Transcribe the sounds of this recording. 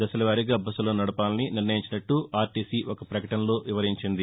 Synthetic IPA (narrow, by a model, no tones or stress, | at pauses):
d̪ɐsɐlɐʋaːɾiɡaːbɐsulo̞ːnɐɽupaːlininiɾnɐjiɲt͡ʃinɐʈːuaːɾʈiːsiːʔɔkɐpɾɐkɐʈɐnlo̞ːʋiʋɐɾiɲt͡ʃind̪i